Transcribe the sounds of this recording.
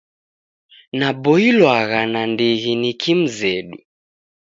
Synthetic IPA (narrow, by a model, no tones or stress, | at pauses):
naɓɔilwaɣanandiɣinikʰim̩zɛɗṵ